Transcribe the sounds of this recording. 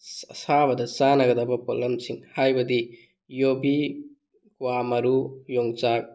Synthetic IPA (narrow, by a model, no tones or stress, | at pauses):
sɐsaβɐdɐt͡ʃanɐɡɐdɐbɐpolːɐmsiŋhajbɐdi | jobi | kuwamɐɾujoŋt͡ʃak̚